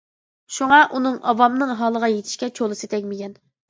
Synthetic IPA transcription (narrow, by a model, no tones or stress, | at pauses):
ʃuŋɑʔunɨŋɑvɑmnɨŋɦɑːlˠəʁɑjet̪ʰɪ̥ʃkʲɛt͡ʃʰolˠɨsɨt̪ʰɛkʲmɪɡʲɛn